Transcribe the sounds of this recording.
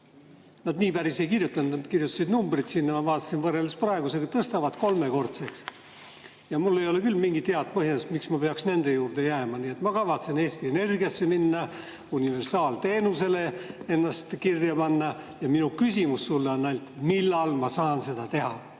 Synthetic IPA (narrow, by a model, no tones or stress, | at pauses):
nɑd̪niːpæɾise̞jkirjut̪ːˑɑnut̪kirjut̪ːˑɑ̥sid̪numbrit̪sinːɑmɑvɑːt̪ːˑɑsinvɤrːelesprɑeɡuseɡɑt̪ɤst̪ɑvɑt̪ko̞lme̞ko̞rt̪se̞ks | jɑmulːe̞jo̞le̞kylːmiŋɡit̪ːeɑd̪̚pɤɦjɑst̪miksmɑpe̞ɑksne̞nd̪̥e̞juːrd̪̥e̞jæːmɑniːe̞t̪mɑkɑvɑt̪se̞ne̞ːst̪ie̞ne̞rɡijɑsːe̞minːɑ | unive̞rsɑːlt̪e̞ːnuse̞le̞e̞nːɑst̪kirjɑpɑnːɑjɑminukysʲimusːulːeonːɑjlt̪milːɑlmɑsɑːnse̞d̪̥ɑt̪e̞ɦɑ